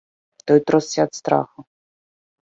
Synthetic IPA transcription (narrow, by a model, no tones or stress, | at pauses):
t̪ɔjt̪ɾɔssʲat̪st̪ɾa̰xʊ